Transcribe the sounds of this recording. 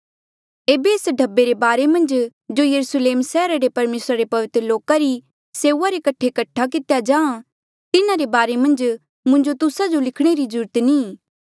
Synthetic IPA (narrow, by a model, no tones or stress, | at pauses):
eːbeːsɖʱɐbːeɾebaːɾemɐ̃nd͡ʒd͡ʒojɐɾusleːmsɛːɾaɾepɐɾmeːsɾaɾepɐʋɪt̪ɾəloːkaɾi | seːuaɾekɐʈʰekɐʈʰːak̬ɪt̪jad͡ʒãːã | t̪ɪnaɾebaːɾemɐ̃nd͡ʒ | mʊ̃nd͡ʒot̪ʊsad͡ʒolɪkʰɽ̃eɾid͡ʒʊɾt̪niː